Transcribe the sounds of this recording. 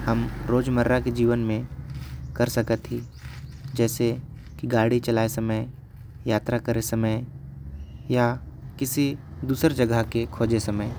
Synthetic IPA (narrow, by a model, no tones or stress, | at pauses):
həmɾoːd͡ʒməɾːaked͡ʒiːʋənmẽ | kɐɾsəkət̪ɦi | d͡ʒɛːse | kiɡaːɽit͡ʃəlaːesɐməj | jaːt̪ɾakəɾesɐməj | jakɪsid̪uːsəɾd͡ʒɐɡʱəɦkekʰoːd͡ʒesɐməj